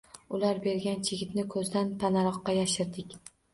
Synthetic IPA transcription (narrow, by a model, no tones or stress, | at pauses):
ʊlaɾbe̞ɾɡʲant͡ʃʰeɪɡʲɪt̪nɪkʰɵzd̪ant̪ʰanaɾɒqːɑjaʃɪɾd̪ɪkʲ